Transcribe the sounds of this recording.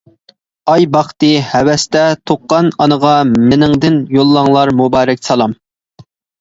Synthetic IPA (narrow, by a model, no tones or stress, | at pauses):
ɑjbɑχt̪ɨhɛwɛst̪ɛt̪ʰoqːɑnɑnəʁɑmɪnɪŋd̪ɪnjolˠːɑŋlˠɑɾmubɑːɾɛk̚ʲsɑlˠɑm